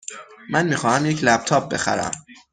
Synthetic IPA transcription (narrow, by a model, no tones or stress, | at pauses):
mænmiːxɒːhæmjecʰlæb̥̚t̪ʰɒːb̚be̞̰xæ̰ɾæ̰m